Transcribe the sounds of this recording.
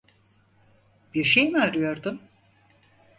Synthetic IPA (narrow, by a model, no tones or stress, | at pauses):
biɾʃejmaɾɯjo̞ɾd̪um